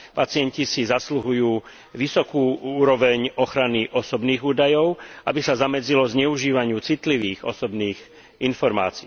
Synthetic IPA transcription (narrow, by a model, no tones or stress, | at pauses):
pat͡sɪɛɲcisizasluɦujuː | ʋisɔkuːuːɾɔʋɛɲɔxɾaniʔɔsɔbniːɣuːd̪ajɔʊʔa̰bisazamɛd͡zilɔzɲɛuʒiːʋaɲɪuːt͡sit̪liʋiːɣɔ̰sɔbniːɣ | infɔɾma̰ːt͡siː